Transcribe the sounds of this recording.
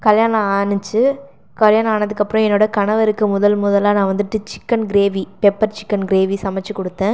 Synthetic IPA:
kɐljaːnɐ̃aːnɯt͡ʃːɯ | kɐljaːnɐ̃aːnɐðɯkːɐpːɯɾɔ̃ɛnːoːɽɐkɐɳɐʋɐɾɯkːɯmʊðɐlmʊðɐlaːnãːʋɐnd̪ɯʈːɯt͡ʃɪ̥kːɐnɡɪɾeːʋipɛpːɐɾt͡ʃɪkːɐnɡɪɾeːʋisɐmɐt͡ʃːɯkɔɽɯt̪ːẽː

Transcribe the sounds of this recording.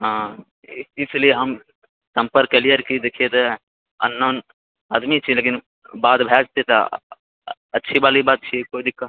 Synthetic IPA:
ɦãː | ɪslieɦəm | sə̃mpəɾkːelijəɾkid̪ekʰet̪ | ə̰nːən | aːd̪mit͡ʃʰileːkin | baːt̪bʱɛːd͡ʒt̪et̪ɐ̰ | ɐtːʃʰibaːlibaːt̪̚t͡ʃʰiekoːid̪ɪkːa

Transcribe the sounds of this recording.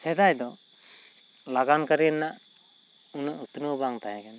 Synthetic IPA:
sɛd̪ajd̪ɔ | laɡankaɾinːaʔ | unɯʔut̪unɯbaŋt̪ajaɡɛn

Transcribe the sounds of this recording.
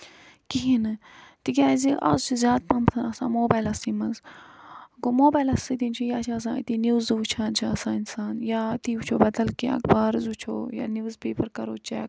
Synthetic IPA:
kiɦinɨ | t̪ikʲaːziʔɐ̰zt͡ʃʰizʲjaːt̪̚pɐmt̪ʰɐnɐsã̰ːmoːbaːjlɐsiːmɐnz | ɡomoːbaːjlɐsid̪int͡ʃʰijaːt͡ʃʰiɐs̬ã̰ːit̪iːniʋzd̪ɨʋut͡ʃʰaːnt͡ʃʰiɐsãːinsaːnjaːt̪iːut͡ʃʰoːbɐd̪ɐlkiɐ̰kbaːɾzut͡ʃʰo̰ːja̰ːniʋzpeːpɐɾkɐɾoːt͡ʃɛ̰ːk

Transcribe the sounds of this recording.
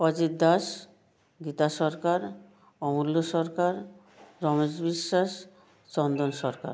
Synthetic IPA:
ɔd͡ʑid̪ːaʃ | ɡit̪aʃɔɾkaɾ | ɔmulːoʃɔɾkaɾ | ɾɔmed͡ʑbiʃːaʃ | t͡ɕɔnd̪onʃɔɾka̰ɾ

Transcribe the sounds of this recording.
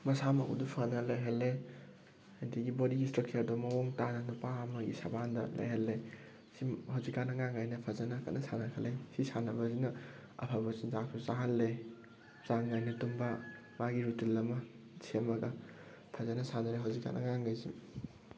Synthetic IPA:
mɐsamakṵdupʰanɐlajɦalːe | ajdiɡibodiɡistɾak̚t͡ʃɐɾdɔmɐwoŋtanɐnupamɐɡḭsɐbandɐ̰lʔɐ̰jhalːe | sihawzikːanɐŋaŋajnɐpʰazanɐkɐ̰tnɐsanɐkʰɐlejsisanɐbɐzinɐ | ɐ̰pʰabɐsinzak̚sʰuzaɦɐlːe | z̥aŋajnɐtumba | maɡiɾutilːɐmɐ | sʰemɐɡɐ | pʰazanɐsanɐɾeɦawzikːa̰nɐ̰ŋaŋɡajzi

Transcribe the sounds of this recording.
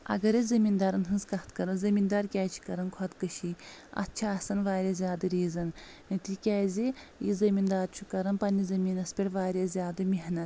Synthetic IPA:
ɐ̰ɡɐɾizɐmind̪aːɾɐnɦɨnzkɐht̪kɐɾɐnzɐmind̪aːɾkʲaːjt͡ʃʰi̥kɐɾɐnkʰɐt̪kɐʃiɐ̰tt͡ʃʰaːsɐnʋaːɾʲazʲjaːd̪ɨɾiːzɐn | nɐt̪ikʲaːjzʲijizɐmʲind̪aːɾt͡ʃʰukɐɾɐnpɐnʲizɐmʲiːnɐspʲeɾʲʋaːɾʲjazʲjaːd̪ɨmʲeɦnɐt̪

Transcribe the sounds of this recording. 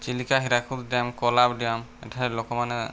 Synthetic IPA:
t͡ʃilikaɦiɾakʰut̪diamkɔlab̚dijamɛ̰tʰaɾɛlɔkɔmanɛ

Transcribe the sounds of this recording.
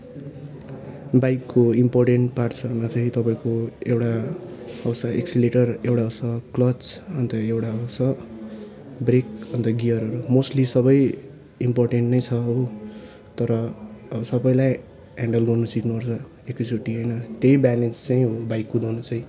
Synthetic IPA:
bajkːoimporʈeɳʈparsʌrmat͡sʌĩt̪ʌpãĩkoewʈa | ʌwsʌeksileʈʌrewʈaʌwsʌklʌt͡sʌnt̪ʌewʈaʌwsʌ | brekʌnt̪ʌɡijʌɾʌɾumosʈlisʌbʌj | imporʈeɳʈnʌjt͡sʰʌɦo | t̪ʌɾʌsʌbʌjlaj | aɳɖʌlɡʌrnʌsikʰnuʌrt͡sʰʌ | ekisʰuʈiɦʌjnʌt̪ejbaned͡zt͡sãĩɦobajkːud̪ownʌt͡sʌ̃ĩ

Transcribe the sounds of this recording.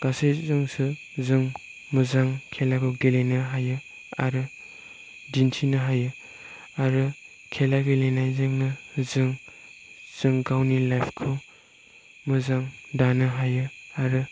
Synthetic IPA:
ɡ̥asejzɯŋsɯ | zɯŋ | mɯzaŋkʰelakʰɯɡelenɯɦajɯ | a̰ɾɯ | dintʰinɯɦajɯ | aɾɯ | kʰelaɡelenajzɯŋnɯzɯŋ | z̥ɯŋɡawnilajpʰkʰu | mɯzaŋdanɯɦajɯaɾɯ

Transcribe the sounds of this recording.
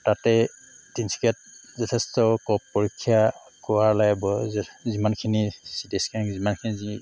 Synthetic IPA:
tatɛ | tinsi̥kat̚zɔtʰɛstɔkɔpːɔɹikʰːija | kɔwaɹlajbɔzzimankʰinisidɛskʰinŋzimankʰinizi

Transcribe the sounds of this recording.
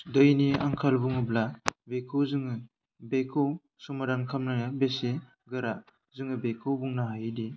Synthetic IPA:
dɯjnia̰ŋkʰalbuŋɯblabekʰɯwzɯŋɯ | bekʰɯw | sɔmadankʰamnɯjabese | ɡɯɾa | zɯŋɯbekʰɯwbuŋnaɦajdi

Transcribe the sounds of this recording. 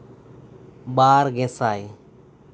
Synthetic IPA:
ɓaːɾɡẽːsaːeː

